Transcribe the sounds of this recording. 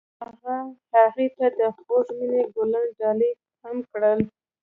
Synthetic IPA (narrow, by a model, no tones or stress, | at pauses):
haɣahaɣit̪ad̪əxozmineɡolanɖɑli | hamkɽəl